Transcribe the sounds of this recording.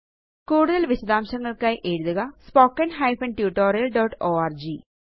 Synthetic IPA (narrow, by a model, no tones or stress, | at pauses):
kuːɽuðɐlʋiɕɐd̪aːmɕɐŋːɐɭkaːjʔe̞ɻuðuɣɐspoːkːɐnɦɐjfɐnʈjuːʈːoːɾijɐlɖoːʈːoːaːrd͡ʑi